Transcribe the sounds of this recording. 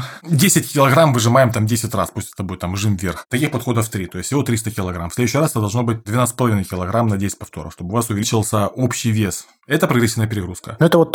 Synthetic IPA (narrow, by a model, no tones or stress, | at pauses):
dʲesʲɪtʲkʲɪlˠɐɡɾamvɨʐɨmajɪmt̪amdʲesʲɪtʲraspusʲlʲɪst̪ɐbo̞jt̪amʐɨmvʲerxt̪ɐkʲixpɐt̪xo̞d̪əft̪ɾʲit̪o̞ɪsʲɪvo̞t̪ɾʲist̪əkʲɪlˠɐɡɾamfsʲlʲeʊɕːɪjrasɛt̪əd̪ɐlˠʐnobɨt̚ʲd̪vʲɪnat̪ɨ̥sʲpəlˠɐvinəjkʲɪlˠɐɡɾamnɐdʲesʲɪ̥tʲpɐft̪o̞ɾə̰xʂt̪o̞bɨʊvasʊvʲɪlʲɪt͡ɕɪlˠsʲəopɕːɪjvʲe̞s | ɛt̪əpɾɐɡɾʲɪsʲivnəjəpɪɾʲɪɡɾuskənoɛt̪əvot̪